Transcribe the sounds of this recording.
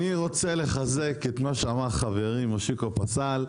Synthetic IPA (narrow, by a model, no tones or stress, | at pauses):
iʁo̞t͡se̞le̞χaze̞ket̪maʃeamaʁχave̞ʁimoʃikopat͡sal